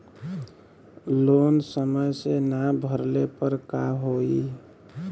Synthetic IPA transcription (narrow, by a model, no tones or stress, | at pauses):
lonsəməjsenəbʱəɾlepəɾkaɦoi